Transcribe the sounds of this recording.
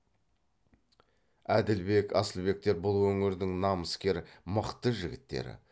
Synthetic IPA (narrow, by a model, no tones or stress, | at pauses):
æd̪ɪlbe̞kʰɑ̰səlˠbe̞k̚t̪e̞ɾbʊlˠwɵŋɪɾd̪ɪŋnɑməskʲe̞ɾməqt̪əʒɪɡʲɪt̪ːḛɾɪ̰